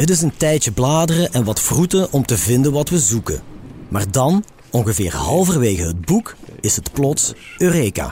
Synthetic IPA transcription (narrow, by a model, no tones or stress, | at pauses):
ɦətɪs̬əntɛjtjəblaːdərəʔɛnʋɑtfrutəʔɔmtəvɪndənʋɑtʋəzukə̰ma̰ːrdɑn | ɔŋɣəvɪːrɦɑlˠvərʋeːɣəɦəd̚bukɪsɦətplɔtsøːreːka̰ː